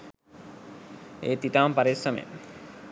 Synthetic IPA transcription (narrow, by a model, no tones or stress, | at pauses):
eːt̪it̪aːmpaɾisːɐmḛ